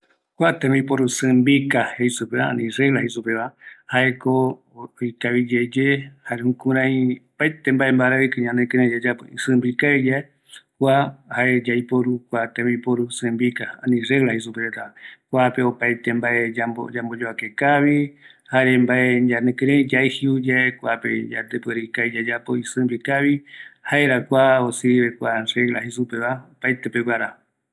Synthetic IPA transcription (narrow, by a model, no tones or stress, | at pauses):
kʷat̪ẽmipoɾusɨ̃mbikahejsupeβaã̰nĩrelahesupeβahae̞ko | ojkaβid͡ʒed͡ʒehaɾehũkũɾãj̃opajt̪embaembaɾaikɨ̃ɲãnẽkɨ̃ɾẽd͡ʒad͡ʒapɨisɨ̃mbikaed͡ʒae | hwahaed͡ʒajpoɾukʷat̪ẽmipoɾusɨ̃mbikaãnĩrelahes̬upeɾet̪akʷape̞opajt̪embae̞ao̰d͡ʒambod͡ʒoakekaβi | haɾembaeɲd͡ʒanẽkɨɾẽd͡ʒaehiud͡ʒaekʷapḛd͡ʒa̰t̪epeɾikaid͡ʒad͡ʒapoisɨ̃mbikaβihaeɾakʷaosɨβekʷareɡlahesupeβaopajt̪epewʷaɾa